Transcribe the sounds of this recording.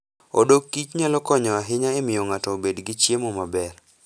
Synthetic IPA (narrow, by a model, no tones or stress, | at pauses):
o̰dokːit͡ʃɲalɔkɔɲɔaɦɪɲaemɪjoŋatɔːbedɡɪt͡ʃjemomabɛr